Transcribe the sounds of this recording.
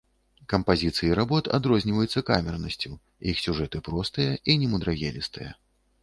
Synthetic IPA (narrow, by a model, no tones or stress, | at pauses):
kɐmpazʲit̪sɨjiɾabɔt̪a̰d̪ɾɔzʲnʲivɐjut̪sːɐkamʲɛrnɐsʲt͡sʲu | jixsʲuʐɛt̪ɨpɾɔst̪ɨjɐʔinʲɛmud̪ɾaɣʲɛlʲist̪ɨjɐ̰